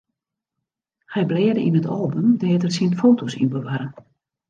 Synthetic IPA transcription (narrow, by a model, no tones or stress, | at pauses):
hɛjblɛːdəʔinətʰɔlˠbəmdɛːətərsinfoːtʰosḭnbəʋaɾən